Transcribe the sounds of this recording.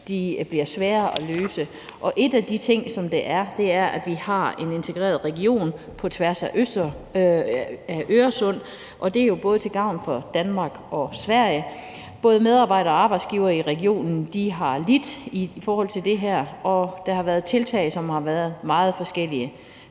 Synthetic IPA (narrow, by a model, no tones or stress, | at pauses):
d̥ib̥liɐsʋɛːɐʔɒløːsə | ʔɒ̽ʔe̝d̥æd̥it͡sʰe̝ŋ̰sɒ̽md̥e̝ʔæɐd̥e̝æɐʔæd̥ʋihɑ̈e̝ne̝nt͡sʰe̝ɡ̥ʁḛːɐð̞̩ˠʁɛɡio̝̰ːn | pʰɒ̽t͡sʰʋæɐsæʔøsd̥ | æʔøɐsɔ̽n̰ | ʔɒ̽d̥e̝æɐjo̝b̥ɔ̽ːðət͡sʰe̝ɡ̥ɑ̈ʊ̰n̩fɒ̽d̥ænmɑ̈ːɡ̥ʔɒ̽sʋæɐ̰jə | b̥ɔ̽ːð̞ˠmeð̞ˠɑ̈ːb̥ɑ̈ɪ̰ɾɐɒɑ̈ːb̥ɑ̈ɪd̥sɡ̥iːʊɐːiʁɛɡ̥io̝̰ːnn̩d̥iɦɑ̈lid̥ifɒːhɒ̽l̰t͡sʰe̝ld̥e̝ɦæɐ̰ɒ̽d̥ɑ̈hɑ̈ʋæːɐð̩ˠt͡sʰe̝lt͡sʰɛ̰ɪsɒ̽mhɑ̈ʋæːɐð̞̩ˠmɑ̈ːð̞̩ˠfɒ̽sɡ̥el̰iə